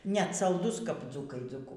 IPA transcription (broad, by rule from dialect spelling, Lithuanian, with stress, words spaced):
nʲɛt sɐlˠˈdʊs kɐp ˈd͡zuːkɐɪ d͡zuːˈkʊ